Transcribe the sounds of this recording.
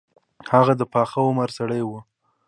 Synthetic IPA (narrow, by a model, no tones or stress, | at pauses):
haɣad̪əpɑxawomaɾsaɽəjwu